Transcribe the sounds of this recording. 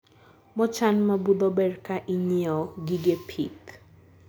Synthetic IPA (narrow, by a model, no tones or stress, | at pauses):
mɔt͡ʃanmabud̪ɔbɛrkaʔiɲiɔɡiɡepʰik